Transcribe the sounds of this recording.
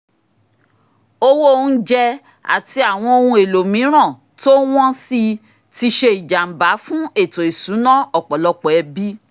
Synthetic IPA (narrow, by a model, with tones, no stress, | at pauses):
o˧wo˦˨˧n̩˦d͡ʒɛ˧ | a̰˨ti˧a˨w̃ɔ̃˧o˧hũ˧e˨lo˨mĩ˨˦ɾ̃ã˦˨ | to˦w̃ɔ̃˦si˧ | ti˧ʃe˧i˨d͡ʒa˨m̩˨ba˨˦fũ˦e˦˨to˨i˨sũ˨˦nã˦ɔ˦˨k͡pɔ˨lɔ˧k͡pɔ˨ɛ˧bi˦